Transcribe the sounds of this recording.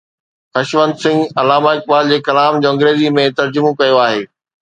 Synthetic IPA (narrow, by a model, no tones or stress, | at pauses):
xɐʃʋə̃nd̪sɪ̃ŋɡɐlaːmaːɪk̚baːld͡ʑeːkɐlaːmd͡ʑõːɐ̃ŋɡɾeːzimẽt̪ɐɾd͡ʑʊmõkɐjoaːɦeː